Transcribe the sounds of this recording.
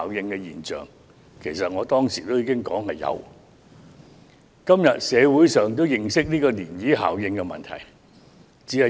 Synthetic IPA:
wjɪ˧ŋkɛ˧jiː˨nt͡ʃœ̰ː˨˩ŋ | kʰe˨˩jsɐ˨t̚ŋɔː˨˧t̪ɔː˥ŋsiː˨˩t̪o˥wjiː˧kɪ˥ŋkɔː˨˥ŋɦɐ˨jːɐ̰˨˧w | kɐ˥mjɐ˨t̚sɛː˨˧wuː˨˥jsœː˨ŋt̪o˥wjɪ˨˩ŋsɪ˥k̚niː˥kɔː˧niː˨˩njiː˨˥ɦa̰ː˨˩wjɪ˧ŋkɛ˧mɐ̰˨nt̪ʰɐ̰˨˩j | t͡siː˨˥hɐ˨˩

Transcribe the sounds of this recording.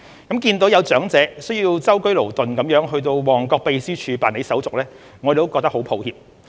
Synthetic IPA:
kɐ˨˥mkiː˧nt̪o˨˥wjɐ˨˧wt͡sœː˨˥ŋt͡sɛː˨˥sɵ˥ɥjiː˧wt͡sɐ˥wkɵ˥ɥlo˨˩wt̪ɵ˨nkɐ˨˥mjœː˨˥ŋɦɵ˧ɥt̪̬o˧wwɔː˨˩ŋkɔː˧k̚pe˧jsiː˥t͡ʃʰyː˨˧paː˨ne˨˥jsɐ˨˥wt͡sʊ˨k̚lɛː˥ | ŋɔː˨˧e˨˩t̪o˥wkɔː˧t̪ɐ˥ho˨˥wpʰo˨˧whiː˨p̚

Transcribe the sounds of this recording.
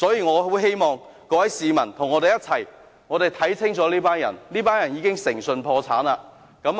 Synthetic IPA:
sɔː˨˥jiː˨˧ŋɔː˨˧wuː˨˥jɦe˥jmɔː˨˧ŋ | kɔː˧wɐ˨˥jsiː˨˧mɐ˨˩nt̪ʰʊ˨˩ŋɔː˨˧t̪e˨˧jɐ˥t͡sʰɐ˨˩j | ŋɔː˨˧ɾe˨jt̪ʰɐ˨˥jt͡sʰɪ˥ŋt͡sɔː˨˥liː˥paː˥njɐ̰˨˩nliː˥paː˥njɐ˨˩njiː˨˧kɪ˥ŋsɪ˨˩ŋsɵ˧npʰɔː˧t͡sʰaː˨˥naː˧ | kɐ˨˧˥m

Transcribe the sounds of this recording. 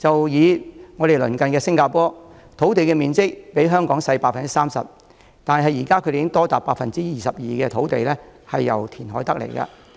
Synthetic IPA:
t͡sɐ˨wjiː˨˧ŋɔː˨˧ɾe˨jlɵ˨˩nkɐ˨nkɛː˧sɪ˥ŋkaː˧pɔː˥ | t̪ʰo˨˥wt̪̬e˨jkɛː˧miː˨nt͡sɪ˥k̚pe˨˥jɦœː˥ŋkɔː˨˥ŋsɐ˧jpaː˧k̚fɐ˨nt͡si̥˥saː˥msɐ̰˨p̚ | t̪aː˨n˨ɦɐ˨˩jiː˨˩kaː˥kʰɵ˨˧de˨˦˥ŋt̪ɔː˥t̪aː˨pːaː˧k̚fɐ˨nt͡siː˥jiː˨sɐ˨p̚jiː˨kɛː˧t̪ʰo˨˥wt̪e˨jlɛː˥hɐ˨jːɐ̰˨˩wt̪ʰiː˨˩nɦɔː˨˥jt̪ɐ˥k̚lḛ˨˩jkɐ̰˧

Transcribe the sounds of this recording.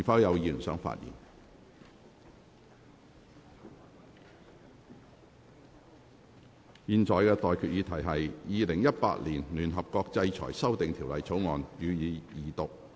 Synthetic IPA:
i˨˩fɐ˨˥wjɐ˨˧wjiː˧ly˨˩nsœ̰ː˨˥ŋfa̰ː˧t̚jḭː˨˩n | jiː˨nt͡sʰɔː˨˩jkɛː˧t̪ɔː˨jkʰy˨t̚jiː˨˧t̪ʰɐ˨˩jɦɐ˨jjiː˨˧lɪ˨˩ŋjɐ˥t̚pa̰ː˧t̚liː˨˩nlyː˨˩nɦɐ˨p̚kɔː˧k̚t͡sɐ˧jt͡ʃʰɔ̰ː˨˩jsɐ˥wt̪ɪ˨ŋt̪ʰiː˨˩wlɐ˨jt͡sʰo˨˥wŋɔː˨nyː˨˧jiː˨˧jiː˨˩t̪ʊ˨k̚

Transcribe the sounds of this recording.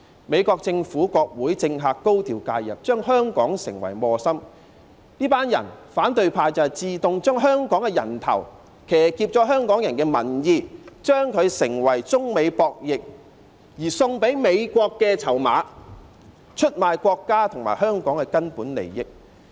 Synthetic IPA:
me˨˧jkɔː˧k̚t͡sɪ˧ŋfuː˨˥kɔː˧k̚wuː˨˥jt͡sɪ˧ŋɦaː˨˧kːo˥wt̪ʰiː˨˩wkaː˧jjɐ̰˨p̚t͡ʃœː˥ŋɦœː˥ŋkɔː˨˥ŋsɪ̰˨˩ŋwɐ̰˨˩jmɔː˧sɐ˥m | niː˥paː˥njɐ̰˨˩nfaː˨˥nt̪ɵ˨˧ɥpʰaː˧jt͡sɐ˨˧hɐ˨jt͡siː˨˧t̪ʊ˨˧ŋt͡ʃœː˥ŋɦœː˥ŋkɔː˨˥ŋkɛ˧jɐ̰˨˩nt̪ʰɐ̰˨˩w | kʰɛː˨˩kiː˧p̚t͡sɔː˨˥ɦœː˥ŋkɔː˨˥ŋjɐ˨nkɛː˧mɐ˨˩njiː˧t͡ʃœː˥ŋkʰɵ˨˧ɥsɪ˨˩ŋwɐ˨˩jt͡sʊ˥ŋme˨˧jpɔː˧k̚jɪ˨k̚ | jiː˨˩sʊ˧ŋpe˨˥jme˨˧jkʷɔː˧kːɛː˧t͡sʰɐ˨˩wma̰ː˨˧ | t͡ʃʰɵ˥t̚maː˨˧jkʷɔː˧kːaː˥t̪ʰʊ˨˩ŋma̰ː˨˩jɦœː˥ŋkɔː˨˥ŋkɛ˧kɐ˥npuː˨˥nlḛ˨˩jjɪ˧˥k̚

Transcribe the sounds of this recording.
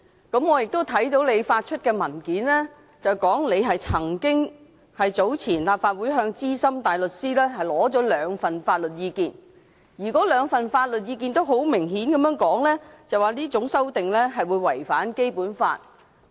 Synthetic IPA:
kɐ˨˥mŋɔː˨˧jɪ˨k̚t̪o˥wt̪ʰɐ˨˥jt̪o˨˥wle˨˧jfaː˧t̚t͡ʃʰɵ˥t̚kɛː˧mɐ˨˩nkiː˨˥nlɛː˥ | t͡sɐ˨wkɔː˨˥ŋle˨˧jɦɐ˨jt͡sʰɐ˨˩ŋkɪ˥ŋ | hɐ˨jt͡so˨˥wt͡sʰiː˨˩nlaː˨pfaː˧t̚wuː˨˥jɦœː˧ŋt͡siː˥sɐ˥mt̪aː˨jlɵ˨t̚siː˥lɛː˥ɦɐ˨jlɔː˨˥t͡sɔː˨˥lœː˨˧ŋfɐ˨nfaː˧t̚lɵ˨t̚jiː˨˧kiː˨˧n | jiː˨˩kɔː˨˥lœː˨˧ŋfɐ˨nfaː˧t̚lɵ˨t̚jiː˨˧k̬iː˧nt̪o˥wɦo˨˥wmɪ˨˩ŋɦiː˨˥nkɐ˨˧mjœː˧˥ŋkɔː˨˥ŋlɛ˥t͡sɐ˨waː˨liː˥t͡sʊ˨˥ŋsɐ˥wt̪ɪ˨ŋlɛː˥ɦɐ˨jwuː˨˧jwɐ˨˩jfaː˨˥nke˥jpuː˨˥nfa̰ː˧t̚

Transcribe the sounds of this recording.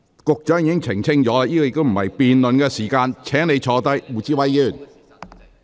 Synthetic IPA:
kʊ˨k̚t͡ʃœː˨˥ŋjiː˧˥kɪ˥ŋt͡sʰɪ˨˩ŋt͡sʰɪ˥ŋt͡ʃɔː˨˥la˧jiː˥kɔː˧jɪ˨k̚t̪o˥m̩˨˩hɐ˨jpiː˨nlɵ˨nkɛː˧siː˨˩kaː˧nt͡ʃʰɛː˨˥ŋne˨˧jt͡ʃʰɔː˨˧t̪ɐ˥jwuː˨˩t͡siː˥wɐ˨˧˥jjy˨˩n

